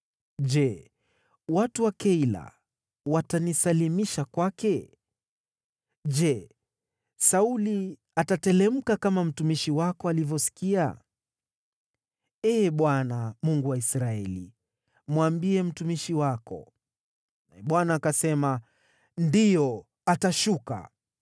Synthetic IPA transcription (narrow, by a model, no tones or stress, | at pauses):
ʄɛ | watuwakɛila̰ | watanisalimiʃakwakɛ | ʄd͡ʒɛ | sauli | atatɛlɛm̩kakamam̩tumiʃiwakɔalivjɔsi̥kia̰ | ɛːɓwanamuŋɡuwaisɾaɛlḭ | mwambiɛm̩tumiʃiwakɔ̰ | naɛɓwanaːkasɛma | ndijɔ | ataʃuka̰